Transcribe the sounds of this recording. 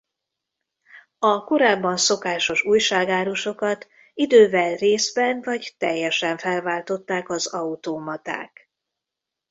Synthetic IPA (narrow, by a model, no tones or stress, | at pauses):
ɒko̞ɾaːbːɒnso̞kaːʃo̞ʃuːjʃaːɡaːɾuʃo̞kɒt̪ | id̪øːvɛlreːzbɛnvɒɟt̪ɛjːɛʃɛɱfɛlvaːlt̪o̞t̪ːaːkɒzɒut̪oːmɒt̪a̰ːk